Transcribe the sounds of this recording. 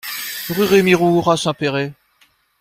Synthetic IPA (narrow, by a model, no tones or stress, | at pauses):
ʁyʁemiʁuʁasɛ̃peʁe